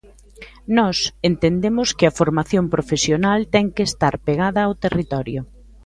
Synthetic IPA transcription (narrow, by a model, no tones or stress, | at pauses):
nɔsent̪end̪emʊskɪɐfoɾmaθjompɾofesjonalt̪ɛŋkeːst̪aɾpeɣaðɐːwt̪erit̪ɔɾjʊ